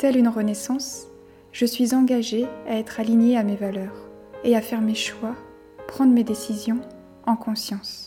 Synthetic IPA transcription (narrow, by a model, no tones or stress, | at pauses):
t̪ɛlynʁənesɑ̃s | ʒ̥əsɥizɑ̃ɡaʒeaɛt̪χaliɲjeamevalœːʁ | eafɛʁmeʃwa | pχɑ̃d̪ʁmed̪esizjɔ̃ | ɑ̃kɔ̃sjɑ̃s